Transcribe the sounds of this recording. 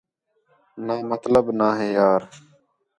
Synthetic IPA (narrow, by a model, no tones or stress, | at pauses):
naːmət̪ləbnaːɦeːjaːɾ